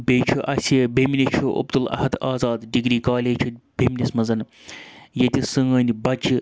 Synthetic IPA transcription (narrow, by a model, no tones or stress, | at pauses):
beːt͡ʃʰuʔɐsʲebemnʲet͡ʃʰuʔɐ̰bd̪ulɐ̰hɐd̪aːzaːd̪ɖiɡɾiːkaːlʲeːt͡ʃʰub̥emnʲismɐzɐn | jɐt̪ʲisɨŋɐːnʲibɐd͡ʒi